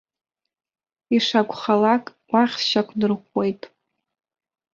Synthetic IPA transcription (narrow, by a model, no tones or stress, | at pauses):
iʂakʷʰʼχalakʼ | wʷaχʲʃakʷʰdɨrχʷwe̞jtʼ